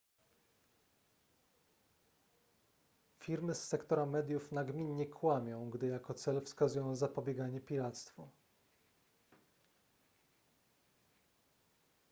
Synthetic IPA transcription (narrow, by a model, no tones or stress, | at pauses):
fʲiɾmɘsːɛkt̪ɔɾamɛd̪ʲjufnaɡmʲiɲːɛkʰwamʲjɔ̃w̃ɡd̪ɘjakɔt̪sɛlfskazujɔ̃w̃zapɔbʲjɛɡaɲɛpʲiɾat̪st̪fu